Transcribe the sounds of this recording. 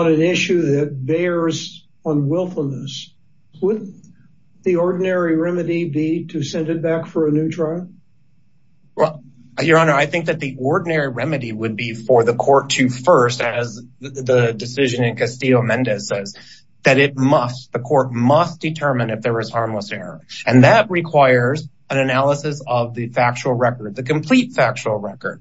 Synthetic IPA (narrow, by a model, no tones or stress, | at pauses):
nɨ̃nɪʃʉðɨt̚beɪɹz | ʌ̃nwɪlˠfl̩ˠnəs | wʊd̩ⁿ | ðiɔɹdⁿn̩ɛɹiɹɛmɨɾibiɾɨsɛ̃ndɨt̚b̥ækfə˞ɨnʉtʰɹ̥aɪlˠ | wɛlˠ | jə˞ɑnə˞aɪθɪ̃ŋk̚ðɨt̪̚ðiʔɔɹdⁿn̩ɛɹiɹɛmɨɾiwəd̚bifə˞ðɨkʰɔɹtʰʉfɜ˞stɨzðɨdɨsɪʒɨ̃nɨ̃nkʰɨstioʊmɛ̃ndɨzsɛz | ðɨɾɪt̚mʌstðɨkʰɔɹt̚mʌsd̥ɨtʰɜ˞mɨ̃nɨfðə˞ɨz̥hɑɹmləsɛɹə̰˞ɨ̃nðɨt̚ɹɨkʰw̥aɪə˞z | ɨ̃nɨnælˠəsɨsʌvðɨfæk̚t͡ʃul̩ˠɹɛkə˞d̪̚ðɨkɨ̃mpʰl̥itfæk̚t͡ʃul̩ˠɹɛkə̰˞d̥̚